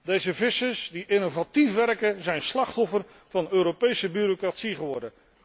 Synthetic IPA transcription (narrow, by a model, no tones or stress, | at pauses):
dejzəvɪsəsdiʔɪnovatifʋɛrkəzɛjnslɑχtɔfər | v̥ɑnøːɾopejsəbyɾokratsiχəʋɔɹdə